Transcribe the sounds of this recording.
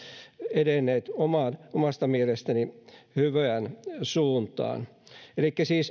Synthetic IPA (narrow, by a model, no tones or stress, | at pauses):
edenːeːt̪omɑːnomɑst̪ɑmielest̪ænihyʋæænsuːnt̪ɑ̰ːnelikːæsiːs